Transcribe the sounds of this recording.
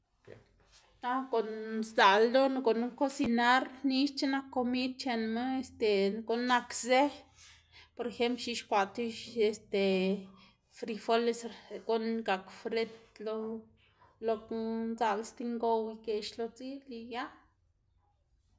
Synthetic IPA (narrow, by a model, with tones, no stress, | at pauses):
na˧ko˨nsda˨ld̪o˦nɡo˨nu˦ko˦si˧na˦ɾni˦ʃt͡ʃe˦na˧kːo˧mi˦d̪̚t͡ʃe˧˨nme˦e˨st̪e˨ɡo˨nːa˧kze˦ | po˨ɾe˧xe˦mplʃi˧ʃkʷa˨t̪i˦ʃe˨st̪e˨ | fɾi˧fo˦le˧sɾɡo˦nɡa˨kfɾe˦t̪lo˧ | lo˧knza˧le˧st̪i˧ŋɡo˧wi˧ɡe˨ʃlo˧t͡si˦li˧ja˦